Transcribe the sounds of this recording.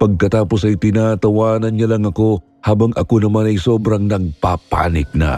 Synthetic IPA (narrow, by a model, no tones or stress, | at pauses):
pɐɡ̚kɐt̪aːpo̞sɐjt̪ɪnaːt̪ɐwaːnɐnɲalɐŋɐko̞ | haːbɐŋʔɐko̞nɐmanɐjsoːbɾɐŋnɐɡ̚papa̰ːnɪk̚nɐ̰